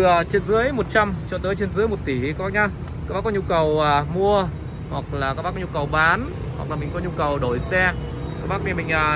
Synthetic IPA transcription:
ət͡ɕe˧nzɨ˨˦əjmo˨˩t̚t͡ɕa˧mt͡ɕɔ̰˧˨t̪əː˨˦jt͡ɕe˧nzɨ˨˦jmo˨˩t̚t̪i˧˩kaː˦˥ɓaː˦˥ɲa˧ | kaː˦˥k̚ɓaː˦˥kɔ˨˦ɲu˧kə˨˩waː˨˩mu˧ə | hwa˨˩k̚laː˨˩kaː˦˥ɓaː˦˥kɔ˧ɲu˧kə˨˩wɓaː˨˦n | hwa˨˩k̚laː˨˩mi˨˩ŋ̟kɔ˨˦ɲu˧kə˨˩wɗo˧˩jsɛ˧ | kaː˦˥k̚ɓa˦˥k̚ɲa˧˩mï˨˩ŋ̟ʔaː˨˩

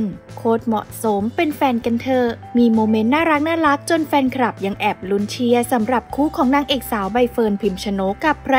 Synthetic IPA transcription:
n | kʰoː˦˥t̪̚mɔ̰˨˩ʔso˨˩˦mpe˧nfɛː˧nka˧nt̪ʰɤː˧˩miː˧moː˧me˦˥nːaː˥˩ɾa˦˥k̚naː˥˩ɾa˦˥k̚t͡ɕo˧nfɛː˧nkʰa˧ɾa˨˩p̚ja˧ŋʔɛː˨˩p̚lu˧˦˥nt͡ɕʰi˧ɐsa˩˦mɾa˨˩p̚kʰuː˦˥kʰɔː˩˦ŋnaː˧˩ŋʔeː˨˩k̚saː˩˦wba˧jfɤː˧npʰi˧˩mt͡ɕʰa˧no˦˥ka˨˩pʰːɾa˧

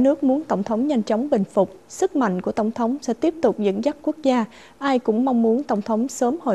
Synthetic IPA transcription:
nɨ˦˥ək̚mu˨˦ənt̪ə˧˩wŋ͡mt̪ʰə˨˦wŋ͡mɲa˧jŋ̟t͡ɕɔ˨˦wŋ͡mɓï˨˩ŋ̟fʊ˨˩k͡p̚sɨ˦˥k̚ma̰˧˨jŋ̟ku˧˩ət̪ə˧˩wŋ͡mt̪ʰə˨˦wŋ͡msɛ̰˧˥t̪i˦˥əp̚t̪ʊ˨˩k͡p̚zə̰˧˥nza˦˥k̚ku˦˥ək̚zaː˧ | ʔaː˧jkʊ̰˧˥ŋ͡mma˧wŋ͡mu˨˦ənt̪ə˧˩wŋ͡mt̪ʰə˨˦wŋ͡msəː˨˦mho̰˧˨

